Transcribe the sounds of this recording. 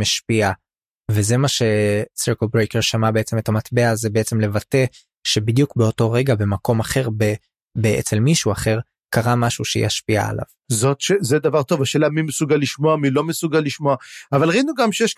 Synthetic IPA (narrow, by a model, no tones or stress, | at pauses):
maʃpia | veze̞maʃe̞seʁkolbʁekeʁʃamabe̞et͡se̞me̞tamat̪be̞azebeet͡se̞mle̞vate̞ | ʃe̞bid̪jukbe̞o̞to̞ʁe̞ɡabe̞mako̞maχe̞ʁbe | beʔḛt͡selmiʃuaχe̞ʁ | kaʁamaʃuʃej̰a̰ʃpia̰ːla̰v | zo̞t̪ʃezed̪avaʁt̪o̞vaʃeːlamimesuɡalːiʃmoamilo̞mesuɡalːiʃmoaavalʁinuɡamʃejeʃ